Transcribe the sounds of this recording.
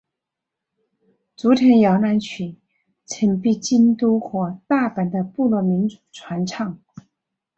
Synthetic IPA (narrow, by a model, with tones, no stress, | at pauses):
t͡su˧˥t̪ʰjɛ˧˥njɑ˧˥ʊna˧˥nt͡ɕʰy˨˩˦ | t͡sʰə˨˥npi˥˧t͡ɕi˥nt̪u˥xwɔ˧˥t̪a˥˩pa˨˩nd̪ə˧pu˥˧lwɔ˥˩mi˧˥nt͡su̥˨˩ʈ͡ʂʰwa˧˥nʈ͡ʂʰɑ˥˩ŋ